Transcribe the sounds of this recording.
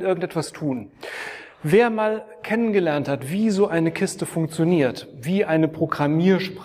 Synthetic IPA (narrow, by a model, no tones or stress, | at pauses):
ʔɪɐɡŋ̩tʔɛtv̥astʰuːn | veːɐmaːl | kʰɛnənɡəlɛɐnthatv̥iːzoːʔaɪnəkʰɪstəfʊŋk̚t͡sjoniːɐtv̥iːʔaɪnəpʁ̥oɡʁamiːɐʃpʁ